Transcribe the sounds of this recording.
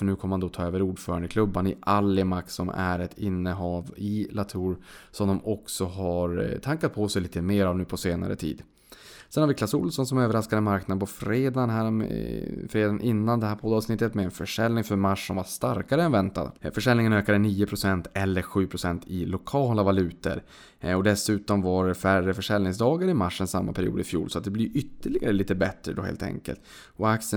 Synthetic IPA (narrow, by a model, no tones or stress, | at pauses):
fœɳʉ̟ːkʰamːand̪ɔt̪ʰɑːøːvəɾuːɖfœːɾaɳd̪əkʰlɵbːanɪʔalːɪmaksɔmæ̰ɾɛt̪ʰɪnːəɦɑːvɪlat̪ʰuːɾsɔmd̪ɔmɔksɔɦaɾt̪ʰaŋkat̪̚pʰɔsɛjliːt̪əmeːɾavnʉ̟ːpʰɔseːna̰ɾə̰t̪ʰḭːd̪ | sɛnhaɾvɪkʰlɑːsʊ̰lsɔnsɔmøːvəɾaskad̪ənmaɾknad̪əpʰɔfɾeːd̪anɦæːɾ̰fɾeːd̪anʔɪnːand̪ɛhɦæɾpʰɔd̪ːɑːvsnɪt̪ːət̪mɛɛnfœʂɛlnɪŋfœɾmaʂːsɔmvaʂt̪aɾkaɾəɛnvɛnt̪a̰d̪fœʂɛlnɪŋənøːkad̪əniːʊpʰɾʊsɛnt̪ʰɛlːəɾɧʉ̟ːpʰɾʊsɛnt̪ʰɪlʊkʰɑːlavalʉ̟ːt̪ə̰ɾ | ɔd̪ɛsʉ̟ːt̪ɔmvaɾfærəfœʂɛlnɪŋsd̪ɑːɡaɾɪmaʂːənsamːa̰pʰæɾɪṵːd̪ɪfjṵːlsɔat̪̚d̪ɛbliʔʏt̪ːəɭɪɡaɾəliːt̪əbɛt̪ɾəd̪ɔ̰hḛːlt̪ʰɛ̰ŋkə̰lt̪ | ɔaksə